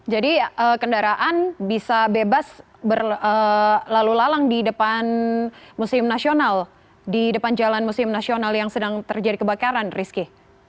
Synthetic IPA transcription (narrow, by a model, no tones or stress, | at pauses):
d͡ʒadiəkəndaɾaʔanbisabebas | bərəlalulalaŋdidəpanmusɪmnasional | didəpand͡ʒalanmusɪmnasionaljaŋsədaŋt̪ərd͡ʒadikəbakaɾanriski